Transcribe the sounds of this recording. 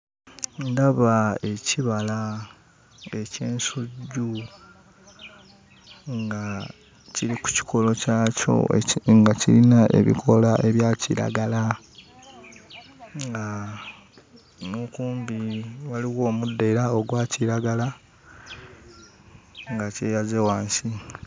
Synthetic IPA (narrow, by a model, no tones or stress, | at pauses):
ndaβae̞ciβala | e̞ce̞ːnsuɟu | ŋɡa | ciɾiku̥ci̥kʰo̞lo̞caːco̞̰ŋɡacḭɾinaʔe̞̰βḭkʰo̞laʔe̞βjaːcḭɾa̰ɡala | ŋɡa | mukuːmbiwaliɣo̞ːmudːeiɾaoɡwaːciɾaɡala | ŋɡaceːjazewaːnsi